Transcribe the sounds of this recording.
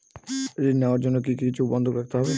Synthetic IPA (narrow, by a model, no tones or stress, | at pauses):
eneoaɾd͡ʑonːok̬ikit͡ɕʰubɔnd̪ʱokɾak̚ʰt̪eɦɔbe